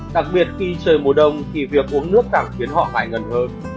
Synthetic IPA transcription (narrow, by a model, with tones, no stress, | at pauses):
ɗa˨˩k̚ɓi˨˩ət̚xi˧t͡ɕəː˨˩jmo˨˩ɗə˧˩wŋ͡mt̪ʰi˨˩vi˨˩ək̚ʔu˨˦ənːɨ˦˥ək̚kaː˧˩ŋxi˨˦ənhɔ̰˧˨ŋaː˨˩jŋə˨˩nhəː˧n